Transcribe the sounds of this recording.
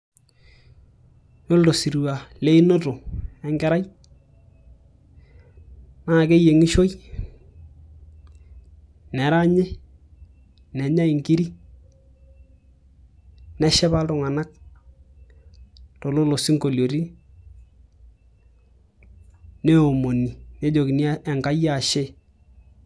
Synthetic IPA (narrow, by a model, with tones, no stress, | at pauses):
jo˦ldo˨si˨ɾu˨wa˨le˦i˦no˦to˨ɛ˦ŋɡɛ˦ɾa˦j | na˦˨ke˦je˨ŋɪ˦ʃo˦j | nɛ˨ɾa˦ɲɛ˦ | nɛ˨ɲa˦ɪ˨ŋɡi˦ɾi˦ | nɛ˦ʃɛ˦ba˦ltʊ˨ŋa˨na˦k̚ | to˨lo˦lo˨si˦ŋko˨ljo˨ɾi˦ | ne˦o˨mo˨ni˨ne˦d͡ʒo˨ki˨ni˦ɛ˨ŋka˦ja˦˨ʃe˦˨